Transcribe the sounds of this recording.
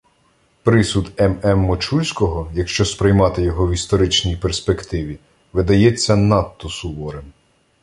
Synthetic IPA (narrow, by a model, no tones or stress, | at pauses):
pɾɪsud̪ɛmɛmːɔt͡ʃulʲsʲkɔɦɔjɐkʃt͡ʃɔspɾɪjmɑt̪ɪjɔɦɔwist̪ɔɾɪt͡ʃnʲijperspekt̪ɪʋʲi | ʋɪd̪ɐjɛt͡sʲːɐnɑt̪ːɔsʊʋɔɾem